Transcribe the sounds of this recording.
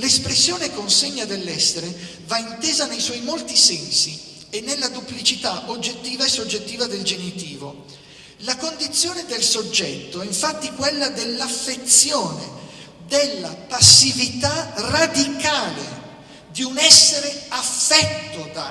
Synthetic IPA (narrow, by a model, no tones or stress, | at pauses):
lespɾesːjoːnekonseɲːad̪elːɛsːeɾe | vaint̪eːzanejswɔjmolt̪isɛnsi | enːelːad̪uplit͡ʃit̪aʔod͡ʒːet̪ːiːvaesːod͡ʒːet̪ːiːvad̪eld͡ʒenit̪iːvo | lakond̪it̪sːjoːned̪elsod͡ʒːɛt̪ːoɛiɱfat̪ːikwelːad̪elːafːet̪sjoːne | d̪elːapasːivit̪arad̪ikaːlḛ | d̪iunɛsːeɾeafːɛt̪ːod̪a